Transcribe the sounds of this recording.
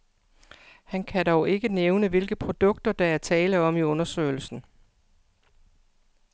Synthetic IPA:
hænkʰædɒʊe̝ɡ̥əneʊnəʋe̝lɡ̥əpʰʁo̝d̥ɔ̽ɡ̥̚d̥ɐd̥ɑ̈æɐt͡sʰɛːləɒ̽miɔ̽nɐsø̰ːɪl̩sn̩

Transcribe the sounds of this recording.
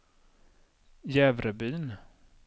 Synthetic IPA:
jɛːvɾəbyːn

